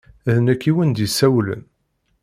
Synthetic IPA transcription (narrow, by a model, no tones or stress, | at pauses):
æðnækːiwənd̪jisæwlə̰n